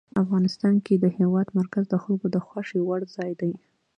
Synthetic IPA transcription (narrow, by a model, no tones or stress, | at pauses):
afɣɑnɪst̪ɑnked̪əhewɑd̪maɾkazd̪əxalɡod̪əxwɑʂewaɽzɑjd̪aj